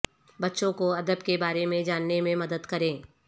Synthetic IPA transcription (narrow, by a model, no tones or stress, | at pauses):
bɐtːʃõkoɐd̪əbkebaːɾemẽd͡ʒaːnːemẽmɐd̪əd̪kɐɾẽː